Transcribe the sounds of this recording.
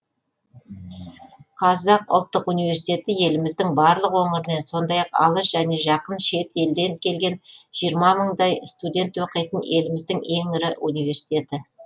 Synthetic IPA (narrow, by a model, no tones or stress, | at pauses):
qʰɑzɑqʊ̰lˠt̪ːəqunijvʲe̞ɾsi̥t̪ʲe̞t̪ɪje̞lɪmɪzd̪ɪŋbɑɾlˠəqwoŋəɾənenso̞nd̪ɑjɑqɑ̰lˠəʃʒ̥æne̞ʒɑqənʃe̞t̪e̞ld̪e̞nkʲʰe̞lɡʲe̞nʒ̥ijəɾmɑməɴd̪ɑjst̪ud̪ʲe̞nt̪woqijt̪əne̞lɪmɪzd̪ɪŋe̞ŋɪɾɪʔunijve̞ɾsi̥t̪ʲe̞t̪ɪ